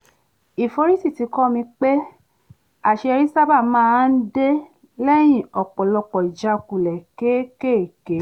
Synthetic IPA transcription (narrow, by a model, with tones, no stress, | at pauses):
i˨fo˧ɾi˦si˦˨ti˨˧˦kɔ˦mĩ˧k͡pe˦ | a˦˨ʃe˧ɛ˧ɾi˦sa˦ba˦˨mãː˦˧˦n̩˦de˦ | lɛ˦j̃ĩ˦˨ɔ˨k͡pɔ˨lɔ˧k͡pɔ˨i˨d͡ʒa˧˨ku˨lɛ˨ke˨˦ke˦˨ke˨˦